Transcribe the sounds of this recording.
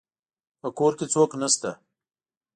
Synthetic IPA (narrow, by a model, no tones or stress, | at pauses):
pəkoɾket͡soknast̪a